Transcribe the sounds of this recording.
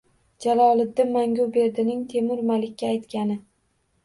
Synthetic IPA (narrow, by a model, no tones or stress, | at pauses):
d͡ʒalɒlˠɪd̪ːɪmaŋɡʲʊbe̞ɾd̪ɪnɪŋt̪ʰe̞mɪɾmalɪkʲːaːjt̪kʲanɪ